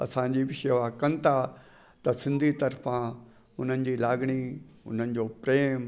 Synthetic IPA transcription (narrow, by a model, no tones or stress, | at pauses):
ɐ̰sãd͡ʑiʋɪʃeʋakɐnt̪ʰa | t̪ɐsɪ̃nd̪ʱit̪ɐɾfã | ʊn̤ən̆d͡ʑiːlaːɡɽ̃iʊ̰n̤ənɪ̆d͡ʑoːpɾeːm